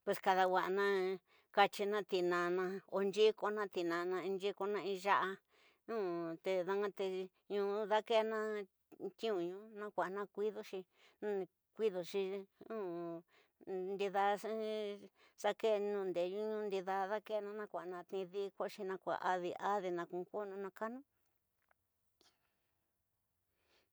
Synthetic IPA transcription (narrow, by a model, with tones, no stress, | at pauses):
pwe˧˨ska˧ða˧wa˨ʔnã˦ | ka˧t͡ʃi˧nã˦˧t̪i˨nã˨nã˧o˧nd͡ʒi˦ko˧nã˦t̪i˧˨nã˨˧nã˧ĩ˧nd͡ʒi˦ko˧nã˧ĩ˧ʒa˦ʔa˧ | nũː˦t̪e˧ða˧ŋã˦t̪e˧ | ɲũ˧˦ða˦ke˦˧nã˦ | t̪ʲĩ˦ũ˨ɲũ˧˦nã˦kʷa˨nã˦kʷi˦ðo˧ʃi˧ | ñ˦˧ | kʷi˦ðo˨ʃi˧ũ˦ | nd̪i˧ða˧˦ | sa˦ke˦˧nũː˧˨nd̪e˨ɲũ˦ɲũ˧˦nd̪i˧ða˧ða˦ke˦˧nã˧nã˧˦kʷa˨nã˧t̪ĩ˧ði˦˧kʷo˦˧ʃi˧nã˧kʷa̰˨ʔa˧ði˧ʔa˦ði˧nã˧kũ˧ko˦nũ˧nã˧ka˦nũ˦